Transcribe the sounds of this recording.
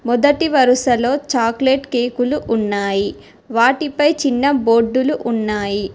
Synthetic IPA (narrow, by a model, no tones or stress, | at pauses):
mɔd̪ɐʈiʋɐɾuʃɐlo̞ːt͡ʃaːkleːʈkeːkuluʔunːaːji | ʋaːʈipɐjt͡ʃinːɐbo̞ːɖːuluʔunːaːji